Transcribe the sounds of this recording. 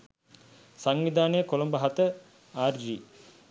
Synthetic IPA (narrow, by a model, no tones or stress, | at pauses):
saŋʋid̪aːnəjəkolombɐɦat̪ə | aːrd͡ʒiː